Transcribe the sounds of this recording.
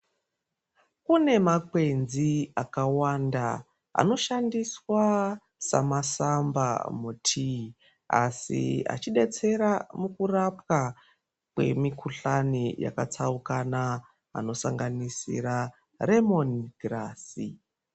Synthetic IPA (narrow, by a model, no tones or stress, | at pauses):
kune̞makwe̞nziakawanda | a̰no̞ʃandiswa | sa̰masamba̰mutʰi | a̰sḭa̰t͡ʃiɗe̞t͡se̞ɾamukurapwa | kwe̞̰mikʰuɬanija̰kat͡saukana | a̰no̞saŋɡanisḭɾa | re̞mo̞niɡraːsḭ